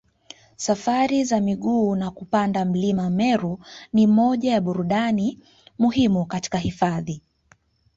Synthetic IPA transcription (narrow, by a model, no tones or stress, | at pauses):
safaɾizamiɠuːnakupandam̩limamɛɾunimɔʄajaɓuɾuɗani | muhimukati̥kaɦifaði